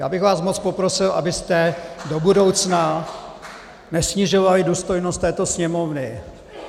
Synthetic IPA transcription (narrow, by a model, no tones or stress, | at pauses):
ja̰ːbɪɣvaːsmot͡spo̞pɾosɪlʔa̰bɪst̪ɛdo̞budo̞wt͡sna | nɛsɲɪʒo̞valɪduːst̪o̞jnost̪ɛːt̪osɲɛmovnɪ